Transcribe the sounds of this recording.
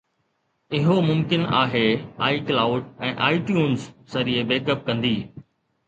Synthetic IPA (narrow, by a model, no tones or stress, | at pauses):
ɪɦomʊmkɪna̰ːɦeːaːiklaːʊɖɛ̃ːʔaːɪʈjuːnzːɐɾiebeːkəp̚kɐ̃nd̪iː